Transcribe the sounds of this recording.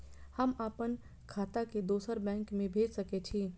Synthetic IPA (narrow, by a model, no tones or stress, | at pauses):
hɐmaːpən | kʰaːt̪aked̪oːsəɾbɛ̃ːŋkmẽbʱeːd͡ʒsɐket͡ʃʰiː